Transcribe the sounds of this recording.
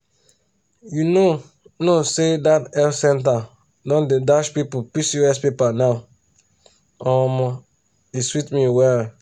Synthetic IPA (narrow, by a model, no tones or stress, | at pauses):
juno | nosedatɛlsɛ̃nta | dɔ̃ndedaʃpipupisuɛspepanaʊ | ɔmɔ | iswitmĩwɛl